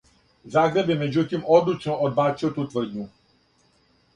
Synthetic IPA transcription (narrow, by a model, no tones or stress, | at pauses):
zaɡɾɛbɛmɛd͡ʒut̪imɔd̪lut͡ʃnɔʔɔd̪̚bat͡ʃiwt̪ut̪vər̩d̪ʲɲu